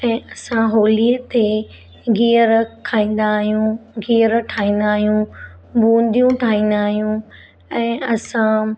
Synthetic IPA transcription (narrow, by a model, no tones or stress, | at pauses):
ɛ̃ːɐsãɦoːliːət̪e | ɡiːəɾkʰaːĩːn̆d̪aːɦijũɡiːəɾʈʰaːĩːn̆d̪aːɦijũ | bũːn̆d̪ijũʈʰaːĩːnd̪aːɦijũ | ɛ̃ːɐsã